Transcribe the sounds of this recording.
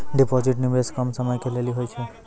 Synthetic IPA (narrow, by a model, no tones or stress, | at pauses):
ɖipɔziʈnimeskɔmsɔmɔjkʰeleliɦojt͡ʃʰɛ